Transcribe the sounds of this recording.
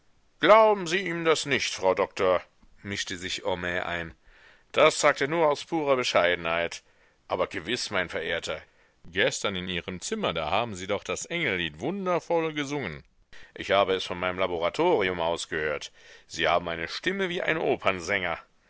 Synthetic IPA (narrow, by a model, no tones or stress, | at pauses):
ɡ̥laʊbm̩ziːiːəndasnɪçtfʁ̥aʊdɔktʰoɐ | mɪʃtəzɪçʔɔmɛːʔa̰ɪn | d̥asz̥aːk̚teːɐnuːɐaʊspʰuːʁ̞ɐbəʃaɪdn̩haɪt | ʔaːbɐɡəvɪsmaɪnfɛɐʔeːɐtʰɐ | ɡ̥ɛstɐnɪniːʁəmt͡sɪmɐdaːhaːbm̩ziːdɔχd̥asʔɛŋl̩liːtv̥ʊndɐfɔlɡəzʊŋən | ʔɪçhaːbəɛsfɔnmaɪnəmlaboʁatʰoːʁiʊmʔaʊsɡ̥əhøːɐtz̥iːhaːbm̩aɪnəʃtɪməviːʔa̰ɪnʔoːpʰɐnzɛŋɐ